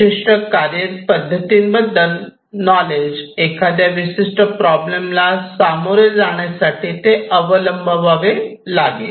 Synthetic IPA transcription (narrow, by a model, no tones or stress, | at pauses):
iʂʈəkaɾjəpəd̪ʱːət̪inbəd̪ʱə | nɔled͡ʒekad̪jaʋɪsiʂʈəpɾɔblemlasamuɾjəd͡ʒaɽ̃jasaʈʰit̪eəʋələmbʱəʋaʋe | laɡe